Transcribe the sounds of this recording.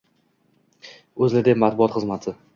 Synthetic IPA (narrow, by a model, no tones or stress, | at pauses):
ɵzlad̪epmat̪̚bʊɒt̪χɨzmat̪ʰɪ